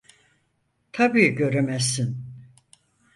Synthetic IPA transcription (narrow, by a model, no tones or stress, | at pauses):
t̪ʰabiːɟø̞ɾemɛsːin